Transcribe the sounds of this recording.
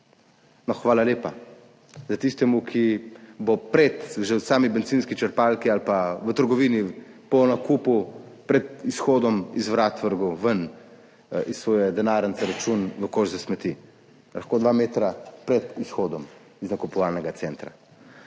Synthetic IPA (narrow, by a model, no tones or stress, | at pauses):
nɔxʋaːlaleːpa | zat̪ist̪ɛmukʰibopɾɛt̪ʒɛwsaːmibɛnziːnskit͡ʃəɾpalkialpaʋət̪əɾɡɔʋiːnipɔnakuːpupɾɛt̪isxoːd̪ɔmizʋɾat̪ʋəɾɡɔʋən | issʋoːjɛd̪ɛnaːɾənsɛɾat͡ʃunʋəkoːʒzɛsmɛt̪i | laxkoːd̪ʋameːt̪ɾapɾɛt̪isxoːd̪ɔm | iznakupɔʋalnɛɡat̪sɛːnt̪ɾa̰